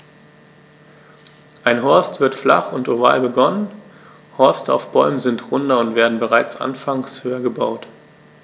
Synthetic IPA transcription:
ʔaɪnɦɔɐstv̥ɪɐtfla̰χʊntova̰ːlbəɡɔnən | hɔɐstəa̰ʊfb̥ɔʏməzɪntʁʊndɐʊntv̥eːɐdn̩bəʁaɪt͡sʔa̰nfaŋshøːɐɡəba̰ʊt

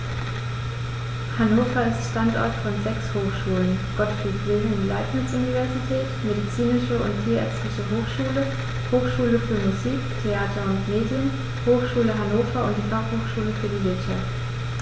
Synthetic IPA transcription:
hanoːfɐɪstʃtantʔɔ̰ɐtfɔnzɛkshoːxʃuːlənɡ̥ɔtfitʁeːzn̩ɪndila̰ɪpmɪt͡sʔʊnivɛɐzitʰɛːtmedit͡siːnɪʃəʊ̰nttʰiːɐɛɐt͡sɪçəɦoːxʃuːlə | hoːxʃuːləfyːɐmuziːktʰeaːtʰɐʊntmeːdjən | hoːxʃuːləɦanoːfɐʊntd̥iːfaχhoːxʃuːləfyːɐdiːvɪɐtʃaft

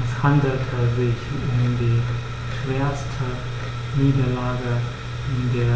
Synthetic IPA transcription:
ɛshandl̩tʰəzɪç | ʊmdiː | ʃv̥eːɐstʰə | niːdɐlaːɡə | ɪndeːɐ

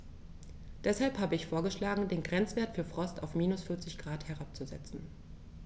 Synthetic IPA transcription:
d̥ɛshalphaːbəɪçfoːɐɡəʃlaːɡŋ̩deːnɡʁɛnt͡sv̥eːɐtfyːɐfʁ̥ɔstaʊfmiːnʊsfʏɐt͡sɪçɡ̥ʁaːthɛʁap̚t͡suzɛ̰t͡sn̩

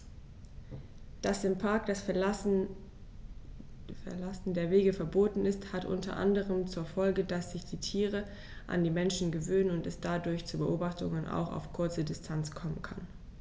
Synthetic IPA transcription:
d̥asɪmpʰaɐkd̥as | fɛɐlasn̩deːɐveːɡəfɛɐboːtn̩ɪsthatʔʊ̰ntɐ̰ʔa̰ndəʁəmt͡suːɐfɔlɡədasz̥ɪçd̥iːtʰiːʁə | ʔa̰ndiːmɛnʃn̩ɡəvøːnənʊntɛsd̥adʊɐçt͡subəʔoːbaχtʊŋənʔa̰ʊxa̰ʊfkʰʊɐt͡sədɪstʰant͡skʰɔmənkʰan

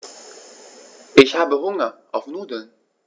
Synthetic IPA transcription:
ʔɪçhaːbəɦʊŋɐʔaʊfnuːdən

